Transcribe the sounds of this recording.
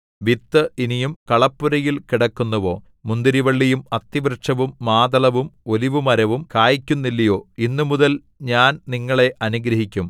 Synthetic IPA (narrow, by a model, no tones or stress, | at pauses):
ʋit̪ːɨʔinijumkɐɭɐpːuɾɐjilkiɽɐkːunːɐʋo̞ː | mund̪iɾiʋɐɭːijumɐt̪ːiʋrʂɐʋumːaːd̪ɐlɐʋumo̞liʋumɐɾɐʋumkaːjikʲːunːilːɐjo̞ːinːumuðɐl | ɲaːnniŋːɐɭe̞ʔɐnuɡɾɐɦikʲːum